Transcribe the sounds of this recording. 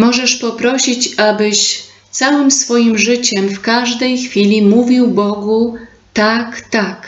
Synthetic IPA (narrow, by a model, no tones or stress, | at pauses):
mɔʐɛʂpɔpɾɔɕit͡ɕabɘɕ | t̪sawɘmsfɔjimʐɘt͡ɕɛmfkaʐd̪ɛjxfʲilʲimuvʲiwbɔɡu | t̪akt̪ak